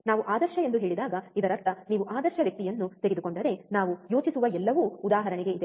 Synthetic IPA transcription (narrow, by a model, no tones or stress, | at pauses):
naːʋuʔaːd̪ɐɾʃɐe̞nd̪uɦe̞ːɭid̪aːɡɐid̪ɐɾɐɾt̪ːɐniːʋuʔaːd̪ɐɾʃɐʋjɐk̚t̪ijɐnːut̪e̞ɡed̪uko̞ɳɖɐɾe̞naːʋujo̞ːt͡ʃisuʋɐɛlːɐʋuːud̪aːɦɐɾɐɳiɡe̞id̪e